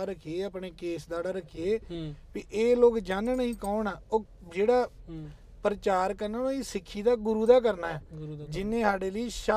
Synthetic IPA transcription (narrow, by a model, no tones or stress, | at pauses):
aːɾəkʰieːəpɳeːkeːsd̪aːɽaːɾəkʰieːpiʔeːloːkd͡ʒaːnnəɦĩːkoːnaːoː | d͡ʒeːɽaː | pəɾət͡ʃaːɾkəɾnaːnaːiːsɪkʰːiːd̪aːɡʊɾuːd̪aːk̬əɾnaːɛːd͡ʒɪnːẽːsaːɽeːləiːʃa